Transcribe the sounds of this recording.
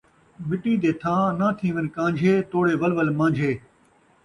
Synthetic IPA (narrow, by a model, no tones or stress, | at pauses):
ʋɪʈĩːd̪eːt̪ʰãːnãːt̪ʰĩːʋɪnkãːɲd͡ʒʱeːt̪oːɽeːʋəlʋəlmãːɲd͡ʒʱeː